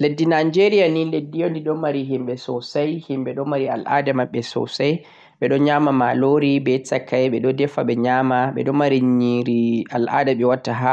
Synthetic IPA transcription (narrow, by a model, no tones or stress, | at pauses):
ledːinad͡ʒeɾijaninledːijɔndiɗɔmaɾiɦimɓɛsɔsajhimɓɛɗɔmaɾia̰lʔa̰dɛmaɓːɛsɔ̰saj | ɓɛɗɔɲaːmamaloɾibɛsakːajɓɛɗɔdɛfaɓɛɲaːmaɓɛ̰ɗɔmaɾiɲiɾialʔa̰daɓɛwatːaɦa